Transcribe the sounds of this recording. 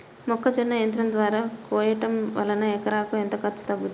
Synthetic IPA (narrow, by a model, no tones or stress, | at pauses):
mɔkʰːɐd͡ʒinːɐjɐnt̪ɾɐmd̪ʋaːɾaːkɔːjɐʈɐmʋɐ̰lɐnɐɛkɐɾaːkuent̪ɐkɐɾt͡ʃːu̥t̪ɐbːut̪